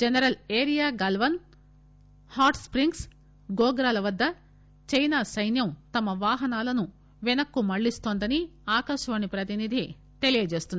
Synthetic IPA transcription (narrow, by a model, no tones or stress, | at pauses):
d͡ʒɐnɐɾɐleːɾijaːɡɐlʋɐn | haːʈspɾiŋɡs | ɡɔːɡɾaːlɐʋɐd̪ːɐ | t͡ʃɐjnaːsɐjnjɐmt̪ɐmɐʋaːɦɐnaːlɐnu | ʋɛnɐkːumɐɭːist̪oːnd̪ɐniaːkɐʃɐʋɐnipɾɐt̪inid̪ʱi | t̪e̞lijɐd͡ʒe̞ːst̪und̪